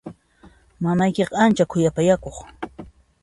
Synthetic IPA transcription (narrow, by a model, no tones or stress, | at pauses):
mamajkeqɑant͡ʃakʰʊjapajakoχ